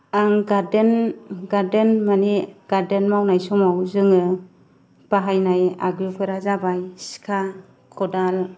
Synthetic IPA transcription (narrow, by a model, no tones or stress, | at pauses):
aŋɡadenɡaɾdenmaneɡ̥aɾdenmawnajsɔmawzɯŋɯ | b̥aɦajnaja̰ɡɾikʰɯɾazabajsi̥kʰa | kʰɔdal